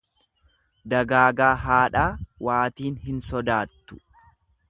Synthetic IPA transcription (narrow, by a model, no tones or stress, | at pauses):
d̪ɐɡaːɡaːɦaːᶑaːwaːt̪iːnhɪnsɔd̪aːt̪ːʊ̥